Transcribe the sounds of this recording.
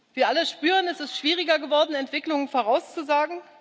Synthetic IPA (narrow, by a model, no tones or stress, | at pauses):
viːɐʔaləʃpyːʁənɛsɪstʃv̥iːʁɪɡɐɡəvɔɐdn̩ɛntv̥ɪklʊŋənfoːʁaʊst͡suzaːɡŋ̩